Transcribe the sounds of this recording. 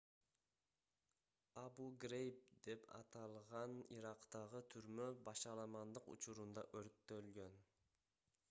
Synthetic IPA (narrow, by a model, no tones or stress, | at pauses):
ɑbuɡɾejp̚d̪e̞pʰɑ̰t̪ɑlˠʁɑniɾɑqt̪ɑʁɯt̪ʰyɾmøbɑʃɑlˠɑmɑnd̪ɯqṵt͡ʃuɾund̪ɑ̰ʔøɾt̪ːølɡøn